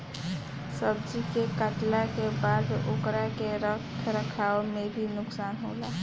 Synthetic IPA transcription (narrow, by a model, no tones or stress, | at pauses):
səbd͡ʒikekəʈlakebad̪eʔokɾakeɾətʰɾəkʰaːomebʱinʊksaːnɦoːla